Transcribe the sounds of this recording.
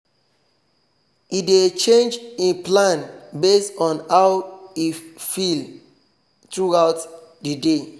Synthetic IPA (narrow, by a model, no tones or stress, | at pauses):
idet͡ʃẽnd͡ʒĩplãnbestɔ̃nhawifil | t̪ɹuawtdəde